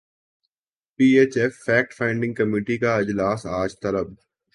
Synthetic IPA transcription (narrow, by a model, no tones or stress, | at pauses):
piːeːt͡ʃefːɛːk̚ʈfãːɪ̃ɳɖɪ̃ŋɡkɐmiːʈikaɪd͡ʒlaːsaːd͡ʒt̪ɐləb̚